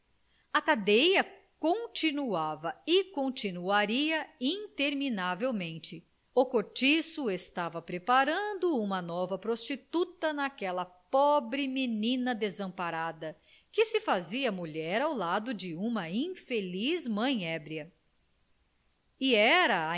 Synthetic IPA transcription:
ɐkad̪ejɐ | kõt͡ʃinuavɐɪkõt͡ʃinuaɾiɐĩt̪eɾminavewmẽnt͡ʃɪ | ʊkoɾt͡ʃisʊest̪avɐpɾepaɾɐ̃nd̪ʊũmɐnɔvɐpɾost͡ʃit̪ut̪ɐnakɛlɐpɔbɾɪminĩnɐd̪ezɐ̃paɾad̪ɐ | kɪsɪfaziɐmuʎɛɾawlad̪ʊd͡ʒɪũmɐĩfelizmɐ̃j̃ɛbɾiɐ | ɪɛɾɐ

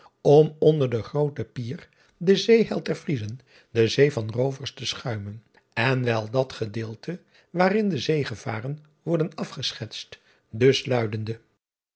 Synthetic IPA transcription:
ɔmɔndəɹdəχrowtəpiːr | dəzejɦɛlˠtɛɹfrizən | dəzejvɑnrowvəɹstəsχœɥmən | ɛnʋɛlˠdɑtχədɪːlˠtʰə | ʋaːrɪndəzejχəv̥a̰ːrən | ʋɔɹdənɑfχəsχɛtst | dɵslœɥdəndə

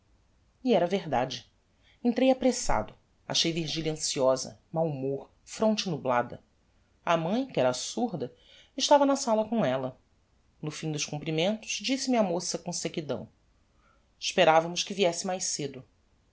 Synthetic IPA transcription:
iɛɾɐveɦd̪ad͡ʒɪ | ẽnt̪ɾejapɾesa̰d̪ʊ | a̰ʃejviɾʒiʎɐ̃siɔzɐ̰mawmoɾ | fɾõt͡ʃɪnublad̪ɐ̰ | ɐmɐ̃j̃kɪɛɾasuɾd̪ɐ | ɪʃt̪avɐnɐsalɐkõɛlɐ | nʊfĩd̪ʊʃkũmpɾimẽnt̪ʊ̥ʃd͡ʒisɪmiɐmosɐkõsekid̪ɐ̰̃w̃ | ɪʃpeɾavɐmʊʃkɪviɛsɪmajʃsed̪ʊ

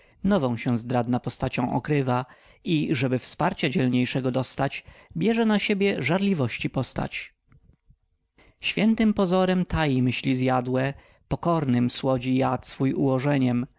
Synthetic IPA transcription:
nɔvɔ̃w̃ɕɛ̃zd̪ɾad̪napɔst̪at͡ɕɔ̃w̃ʔɔ̰kɾɘva | iʐɛbɘfspaɾt͡ɕad͡ʑɛlɲejʂɛɡɔd̪ɔst̪at͡ɕbʲjɛʐɛnaɕebʲjɛʐaɾlʲivɔɕt͡ɕipɔst̪a̰t͡ɕ | ɕfʲjɛnt̪ɘmpɔzɔɾɛmt̪ajimɘɕlʲizjad̪wɛ | pɔkɔɾnɘmswɔd͡ʑijat̪sfujṵwɔʐɛɲɛm

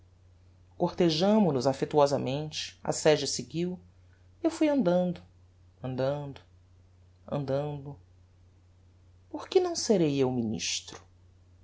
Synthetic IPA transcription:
koɾt̪eʒɐ̃mʊnʊzafet̪uɔzɐmẽnt͡ʃɪ̥ɐ̰sɛd͡ʒɐseɡiw | ewfujɐ̃nd̪ɐ̃nd̪ʊ | ɐ̃nd̪ɐ̃nd̪ʊ | ɐ̰̃nd̪ɐ̃nd̪ʊ | poɾkɪnɐ̃w̃seɾejewminḭʃt̪ɾʊ̥

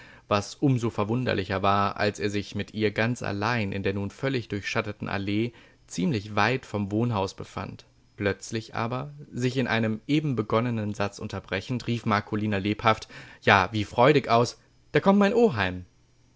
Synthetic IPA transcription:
vasʔʊmzoːfɛɐvʊndɐ̰lɪçɐvaːɐʔa̰lseːɐzɪçmɪtʔiːɐɡant͡sʔa̰laɪnʔɪ̰ndeːɐnuːnfœlɪçd̥ʊɐçʃatətn̩ʔa̰leː | t͡siːmlɪçv̥aɪtfɔmvoːnɦaʊsb̥əfa̰nt | plœt͡slɪçʔa̰ːbɐzɪçɪnʔa̰ɪnəmʔeːbm̩bəɡɔnənənzat͡sʔʊ̰ntɐbʁɛçn̩tʁiːfmaɐkʰoliːnɐleːphaftjaːviːfʁ̥ɔʏɾɪkaʊs | d̥aːɐkʰɔmt̚maɪnʔoːɦaɪm

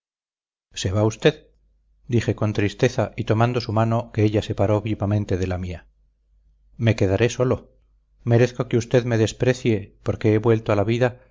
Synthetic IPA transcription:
se̞βaust̪e̞ð | d̪ixe̞ko̞nt̪ɾist̪e̞θaʔit̪o̞mãnd̪o̞sumano̞keeʎase̞paɾo̞βiβamẽnt̪e̞ðe̞lamia | me̞ke̞ðaɾe̞so̞lo̞ | me̞ɾeθko̞ke̞ust̪e̞ðme̞ðe̞spɾe̞θje̞po̞ɾke̞eβwe̞lt̪oalaβiða

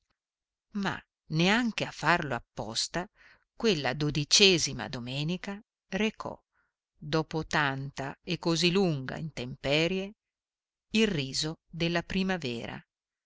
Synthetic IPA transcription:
ma̰ | neaŋk̟eafːarloapːɔ̰st̪a | kwelːad̪od̪it͡ʃɛːzima̰d̪omɛːnika | rekʰɔ̰ | d̪ɔːpot̪ant̪aekːoziluŋɡa̰int̪empɛːɾje | ilriːzod̪elːapɾimavɛ̰ːɾa̰

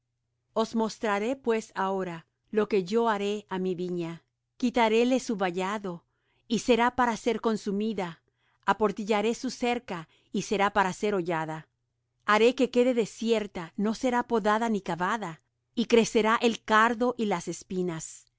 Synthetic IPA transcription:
o̞zmo̞st̪ɾaɾe̞pwe̞saoɾa | lo̞ke̞ʝo̞aɾe̞amiβiɲa | kit̪aɾe̞le̞suβaʝaðo̞ | ise̞ɾapaɾase̞ɾko̞nsumiðaː | po̞ɾt̪iʝaɾe̞suse̞ɾka | ise̞ɾapaɾase̞ɾo̞ʝaða | aɾe̞ke̞ke̞ðe̞ðe̞sje̞ɾt̪ano̞se̞ɾapo̞ðaðanikaβaða | ikɾe̞se̞ɾaʔelkaɾðo̞ʔilase̞spinas

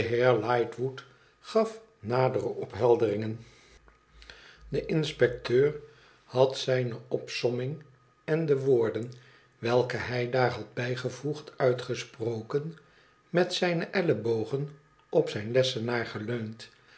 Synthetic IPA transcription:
əɦɪːɹlɑjtʋut | χɑf | naːdərəʔɔpɦɛlˠdərɪŋən | dəʔɪnspɛk̚tøːr | hɑtsɛjnəʔɔpsɔmɪŋ | ɛndəʋoːɹdən | ʋɛlˠkəɦɛjdaːɹɦɑd̚bɛjχəvuχtœɥtχəsprowkən | mɛtsɛjnəʔɛləbowχən | ʔɔpsɛjnlɛsənaːɹχəløɥnt

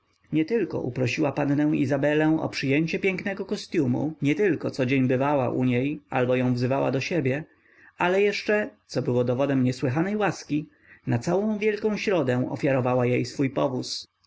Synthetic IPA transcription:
ɲɛt̪ɘlkɔ̰ʔṵpɾɔɕiwapannɛ̃w̃izabɛlɛ̃w̃ʔɔ̰pʂɘjeɲt͡ɕɛpʲjɛŋknɛɡɔkɔst̪ʲjumṵɲɛt̪ɘlkɔt̪sɔd͡ʑeɲbɘvawa̰ʔṵɲeja̰lbɔjɔ̃w̃vzɘvawa̰d̪ɔɕebʲjɛ | alɛjɛʂt͡ʂɛt̪sɔbɘwɔd̪ɔvɔd̪ɛmɲɛswɘɦanɛjwaskʲi | nat̪sawɔ̃w̃vʲjɛlkɔ̃w̃ɕɾɔd̪ɛ̃ɔ̰fʲjaɾɔvawajejsfujpɔvus

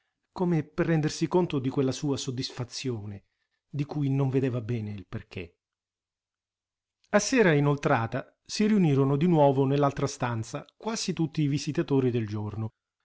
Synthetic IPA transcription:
komeperːɛnd̪ersikont̪od̪ikwelːasuːasod̪ːisfat̪sːjoːne | d̪ikujnoɱved̪ɛːvabɛːneilperk̟ḛ | asːɛːɾainolt̪ɾaːt̪a | siɾiuniːɾonod̪inwɔːvonelːalt̪ɾast̪ant̪sakwaːzit̪ut̪ːiːvizit̪at̪oːɾid̪eld͡ʒorno

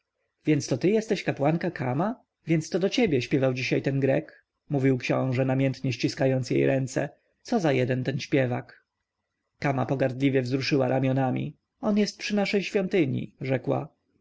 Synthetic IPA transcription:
vʲjɛnt̪st̪ɔt̪ɘjɛst̪ɛɕkapwaŋkakʰama | vʲjɛnt̪st̪ɔd̪ɔt͡ɕɛbʲjɛɕpʲjɛvawd͡ʑiɕajt̪ɛnɡɾɛk | muvʲiwkɕɔ̰̃w̃ʐɛnamʲjɛnt̪ɲɛɕt͡ɕiskajɔnt̪sjḛjɾʔɛnt̪sɛ̰ | t̪sɔzajɛd̪ɛnt̪ɛnɕpʲjɛvak | kama̰pɔɡaɾd̪lʲivʲjɛvzɾuʂɘwa̰ɾamʲjɔnamʲḭ | ɔnjɛst̪̚pʂɘnaʂɛjɕfʲjɔnt̪ɘɲḭʐɛkwa̰

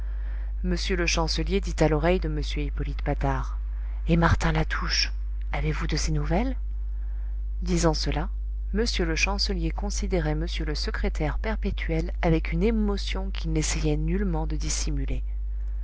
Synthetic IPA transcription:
məsjøləʃɑ̃səljed̪it̪alɔʁɛjd̪əməsjøipɔlit̪pat̪aʁ | emaʁt̪ɛ̃lat̪ʰuʃ | avevud̪əsenuvɛl | d̪izɑ̃səla | məsjøləʃɑ̃səljekɔ̃sid̪eʁɛməsjøləsəkχet̪ʰɛʁpɛʁpet̪ʰɥɛl | avɛkynemɔsjɔ̃kʲʰilnesɛjɛnylmɑ̃d̪əd̪isimyle

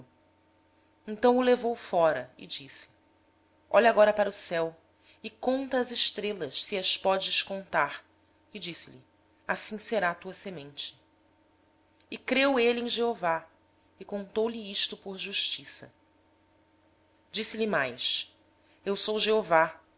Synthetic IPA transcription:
ẽnt̪ɐ̃w̃ʊlevowfɔɾɐɪ̰d͡ʒisɪ̥ | ɔʎɐaɡɔɾɐpaɾusɛw | ɪkõnt̪ɐːzɪʃt̪ɾelɐʃsiɐspɔd͡ʒɪʃkõnt̪aɾ | ɪd͡ʒisɪlḭ | asĩseɾat̪uɐsemẽnt͡ʃɪ̥ | ɪkɾeweliẽʒeova | ɪkõnt̪owliiʃt̪ʊpoɾʒuʃt͡ʃisɐ̰ | d͡ʒisɪlimajs | ewsowʒeova

